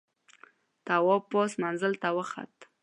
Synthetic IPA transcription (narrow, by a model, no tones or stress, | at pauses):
t̪awɔpɔsmanzəlt̪awəxa̰t̪